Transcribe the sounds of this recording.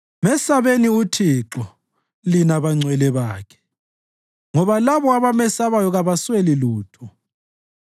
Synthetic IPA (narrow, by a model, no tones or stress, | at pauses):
mɛsaβeniutʰiǁɔ | linaβaŋ͡ǀwɛlɛβaːkʰɛ̥ | ŋɔβalaβɔaβamɛsaβajɔɣaβasweliluːtʰɔ